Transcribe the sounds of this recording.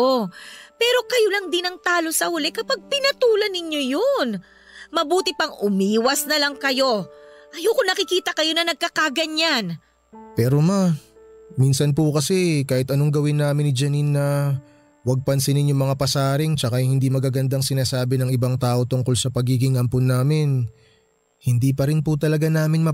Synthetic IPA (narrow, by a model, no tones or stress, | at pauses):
opɛːɾo̞kɐjolɐŋd̪ɪnɐŋt̪aːlo̞sɐhʊlɛkɐpɐɡ̚pɪnɐt̪uːlɐnɪɲo̞jon | mɐbuːt̪ɪpɐŋʔʊmiːwɐsnɐlɐŋkɐjo̞ʔɐjokʊnɐkɪkiːt̪ɐkɐjo̞nɐnɐɡ̚kɐkaɡɐɲan | pɛːɾo̞ma | miːnsɐnpukɐsɛkaːhɪt̪ʔɐno̞ŋɡɐwɪnːaːmɪnɪd͡ʒɐninːɐ | wɐɡ̚pɐnsɪnɪnjʊŋmɐŋapɐsaːɾɪŋt͡ʃɐkahɪnd̪imɐɡaːɡɐnd̪aŋsɪnaːsaːbɪnɐŋɪbaŋt̪aːʔo̞t̪ʊŋko̞lsɐpɐɡiːɡɪŋʔɐmponːaːmɪn | hɪnd̪iːpɐɾɪnpʊt̪ɐlɐɡanaːmɪnmɐ